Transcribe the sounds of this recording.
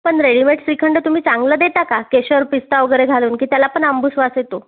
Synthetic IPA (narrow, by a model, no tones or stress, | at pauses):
pəɳɾeɽimeʈsʋikʰəɳɖət̪um̤iːt͡sãŋɡləːd̪et̪akakeɕəɾpist̪aʋɡəɾeɡʱaluːnkiːt̪jalapəɳəmbusʋaset̪o